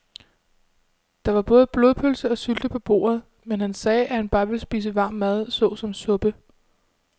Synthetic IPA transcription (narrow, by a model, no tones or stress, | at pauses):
d̥ɑ̈ʋɑ̈b̥ɔ̽ːð̞̩ˠb̥lo̝ð̞ˠpʰølsəɒ̽syld̥əpʰɒ̽b̥o̝̰ːɐð̞̩ˠ | menhænsɛːʔæhænb̥ɑ̈ːʋe̝lsb̥ḭːs̬əʋɑ̰̈ːmːæð̞ˠsɔ̽ːsɒ̽msɔ̽b̥ə